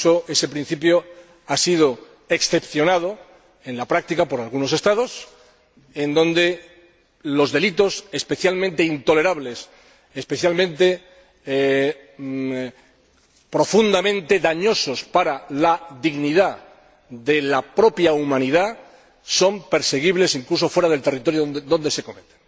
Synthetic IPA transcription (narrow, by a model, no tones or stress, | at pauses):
oe̞se̞pɾĩn̟θip̬jo | asið̞o | e̞ksθe̞pθjo̞nað̞o̞ | e̞nlapɾak̚t̪ikapo̞ɾalɣuno̞se̞st̪að̞o̞s | e̞nd̪õ̞nd̪e̞ | lo̞zðe̞lit̪o̞se̞spe̞θjalmẽnt̪eint̪o̞le̞ɾaβle̞s | espe̞θjalmẽnt̪e̞ | pɾo̞fund̪amẽ̞nt̪e̞ðaɲo̞so̞spaɾalaðiɣniða | ðe̞lapɾo̞pjaumãniða | so̞mpe̞ɾse̞ɣ̞iβle̞siŋkluso̞fwe̞ɾaðe̞lt̪erit̪o̞ɾjod̪o̞nd̪e̞se̞ko̞met̪e̥n